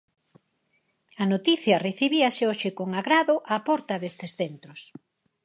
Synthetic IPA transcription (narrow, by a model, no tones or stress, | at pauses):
ɐnot̪iθjɐreθiβiɐseoʃɪkoŋaɣɾaðoʔapɔɾt̪ɐðest̪esθent̪ɾos